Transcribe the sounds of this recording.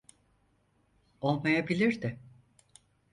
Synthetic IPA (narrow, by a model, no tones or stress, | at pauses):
o̞lˠmajabilʲiɾd̪ɪ